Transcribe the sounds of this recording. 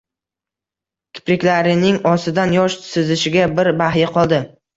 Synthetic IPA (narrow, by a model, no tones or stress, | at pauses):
kʲʰɪ̥pɾɪkʲlaɾɪnɪŋɒsɪd̪anjɒʃsɪzɪʃɪɡʲabɪɾbahjɪqʰɒlˠd̪ɪ